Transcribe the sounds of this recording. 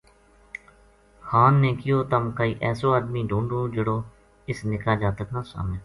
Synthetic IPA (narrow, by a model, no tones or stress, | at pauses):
xaːnːẽːkɪjoːt̪əmkəːiːʔɛːsoːaːd̪miːɖʱũːɳɖõːd͡ʒəɽoː | ɪsnɪkaːd͡ʒaːt̪əknãːsa̰ːmẽː